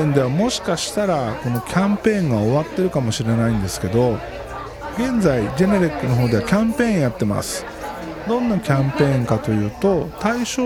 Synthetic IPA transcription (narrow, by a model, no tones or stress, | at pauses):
ẽnd̪e̞βamo̞ɕi̥kaɕi̥t̪aɾako̞no̞kʲʰãmpẽ̞ːŋɡao̞βat̪ːe̞ɾɯ̟kamo̞ɕiɾe̞naĩnd̪e̞sɨ̥ke̞d̪o̞ | ɡẽ̞nzaid͡ʑe̞ne̞ɾʲikːɯ̟no̞ɦoːd̪e̞βakʲãmpẽ̞ːɰ̃jat̪ːe̞ma̰sɨ̥ | d̪õ̞nːakʲãmpẽ̞ːŋkat̪o̞jɯ̟ːt̪o̞t̪aiɕoː